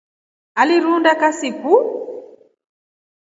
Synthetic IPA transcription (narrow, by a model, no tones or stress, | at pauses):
aliɾundakasiku